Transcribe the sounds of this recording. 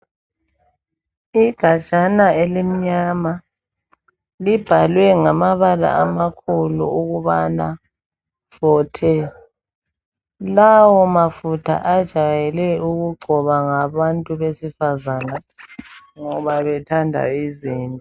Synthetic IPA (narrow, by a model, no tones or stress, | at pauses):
iɡ̥ʱḁt͡ʃʼanaelim̩ɲama | lib̥ʱalwɛŋamaβala̰amakʰulṵuɣuβana̰ | fɔtʰɛ | lawɔmafutʰa̰ʔad̥ʒ̥ʱajɛlɛuɣuɡ͡ǃʱɔβaŋaβantʼuβesifazana | ŋɔβaβɛtʰandʱa̰iziːntʼɔ